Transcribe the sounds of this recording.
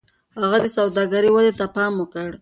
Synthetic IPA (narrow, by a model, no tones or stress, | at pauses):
haɣad̪əsawd̪ɑɡaɾiwalet̪apɑmʊkəɽ